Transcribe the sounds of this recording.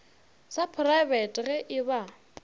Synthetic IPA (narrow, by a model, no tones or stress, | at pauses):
sapʰraɪbɛtʼɣɛʔɪba